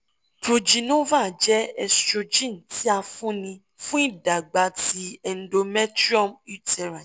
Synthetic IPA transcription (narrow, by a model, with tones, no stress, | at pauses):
to˨d͡ʒi˨˧nũ˦va˦˨d͡ʒɛ˦ɛ˧stɾo˧d͡ʒĩ˦˨n˨tʰi˦a˧fũ˦nĩ˧ | fũ˦i˦˨da˨ɡ͡ba˧ti˧ɛ˨n̩˦do˧mɛ˦tɾi˦ɔ˦˨mi˦tɛ˧˨ɾa˨